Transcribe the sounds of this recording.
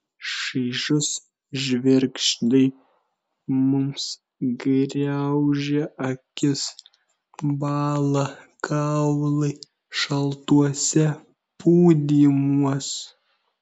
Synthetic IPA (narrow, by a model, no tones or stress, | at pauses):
ʃiɪʒʊs | ʒʲʋʲɛɾʲkʃt̪ɐɪ | mʊms | ɡɾʲɛʊʒʲɛʔɐkʲɪs | bɑːlˠɐkʰɑʊlˠɐɪ | ʃɐlˠt̪uɔsʲɛ | puːd̪ʲiːmuɔs